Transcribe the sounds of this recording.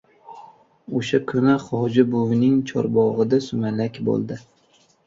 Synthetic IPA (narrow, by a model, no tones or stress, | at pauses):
oʃakʰʊnaχɒd͡ʒɪbʊvnɪŋt͡ʃʰɒ̰ɾbɒʁɨd̪asʊmalakʲbo̰lˠd̪ɪ